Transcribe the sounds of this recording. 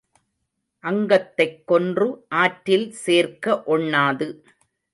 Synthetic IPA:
ʔɐŋɡɐt̪ːɐɪkːɔndrɯʔaːʈːɪlseːrkɐʔɔɳːaːðɯ

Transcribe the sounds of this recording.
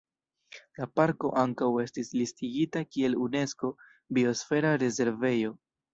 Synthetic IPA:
lapaɾko̞ʔaŋkawe̞stislistiɡitakie̞lune̞sko̞ | bio̞sfe̞ɾaɾe̞ze̞ɾve̞jo̞

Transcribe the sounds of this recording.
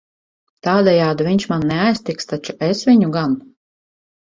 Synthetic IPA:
t̪aːd̪ɛjaːd̪uvʲiɲʲʃmanːɛajsʲt̪ikst̪at͡ʃuɛsvʲiɲuɡan

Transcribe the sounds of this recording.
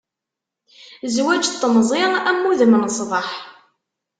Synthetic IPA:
zwæd͡ʒt̪ˤːəmzˤɪæmːuðmənsˤvɑħ

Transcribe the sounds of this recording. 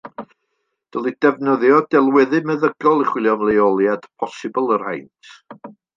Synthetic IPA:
d̥əlˠid̥ɛvnəðjɔdɛlˠwɛðɨmɛðəɡɔlˠiχwɪlˠjɔmlˠejɔlˠjad̥pʰɔsɨbəlˠər̥hajntʰ

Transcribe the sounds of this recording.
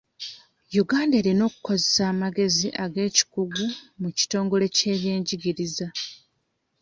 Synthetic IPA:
juɡaːndeːɾino̞ːku̥ko̞zesaːmaɡe̞ziʔaɡe̞ːci̥kuɡumuci̥to̞ːŋɡo̞le̞ce̞ːβje̞ːɲɟiɡiɾiza

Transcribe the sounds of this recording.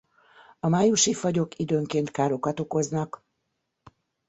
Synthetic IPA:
ɒmaːjuʃifɒɟo̞kid̪øːŋkeːnt̪kaːɾo̞kɒt̪o̞ko̞znɒk

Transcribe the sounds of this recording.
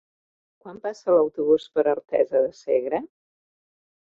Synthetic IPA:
kwampasələwt̪uβ̞uspəɾəɾt̪ɛ̰zəðəseɣɾə

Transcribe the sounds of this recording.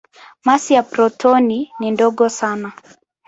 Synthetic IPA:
masijapɾɔtʰɔninindɔɠɔsana

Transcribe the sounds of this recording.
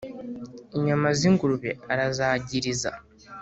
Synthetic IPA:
eɲamaziŋɡuluβḛaɾazaːɟiɾiza̰

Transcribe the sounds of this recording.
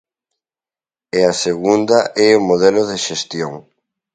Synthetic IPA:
easeɣund̪aʔɛomoðɛloðeʃest̪joŋ

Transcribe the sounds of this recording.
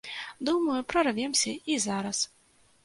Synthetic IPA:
d̪umɐjupɾɐrvʲɛmsʲɐizaɾɐs

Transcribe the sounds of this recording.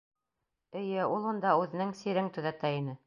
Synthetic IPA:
ɘ̆jɘulˠund̪ɑʉðɘ̆nɘŋsiɾɘŋt̪ɵ̆ðæt̪æinɘ

